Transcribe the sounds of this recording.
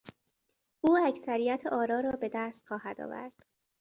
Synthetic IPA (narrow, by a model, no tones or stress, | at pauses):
ʔuːæcsæɾijæt̪ʰeʔɒːɾɒːɾɒːbe̞d̪æːst̪xɒːhæd̪ɒ̰ːvæ̰ɾd̪̥